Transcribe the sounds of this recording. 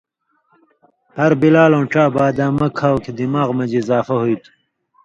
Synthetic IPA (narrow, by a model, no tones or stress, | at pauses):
hɐɾbilaːlõːʈ͡ʂaːbaːd̪aːmɐkʰaːwked̪imaːɣmɐd͡ʑizaːfɐɦujt̪